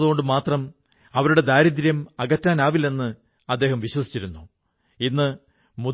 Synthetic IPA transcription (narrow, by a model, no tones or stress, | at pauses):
ðuɣo̞ɳɖɨmaːt̪rɐm | ɐʋɐɾuɽe̞d̪aːɾid̪ɾjɐmɐɣɐtːaːnaːʋilːe̞nːɨ | ɐd̪ːe̞ːɦɐmʋiɕwɐsi̥t͡ɕːiɾunːu | inːɨ | mu